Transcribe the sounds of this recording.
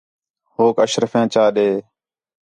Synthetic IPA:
hoːkəʃɾəfãːt͡ʃaːɗeː

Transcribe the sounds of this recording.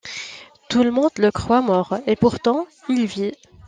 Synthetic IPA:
t̪uləmɔ̃d̪ləkχwamɔʁepuʁt̪ɑ̃ilvjɛ

